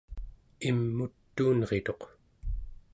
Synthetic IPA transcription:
imːut̪ːuːnʁe̞t̪o̞q

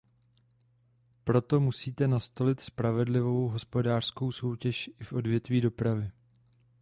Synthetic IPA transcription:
pɾo̞t̪o̞musiːt̪ɛnast̪o̞lɪt̪spɾavɛdlɪvo̞wɦo̞spo̞daːr̥sko̞wso̞wcɛʃʔɪfʔo̞dvjɛt̪viːdo̞pɾavɪ

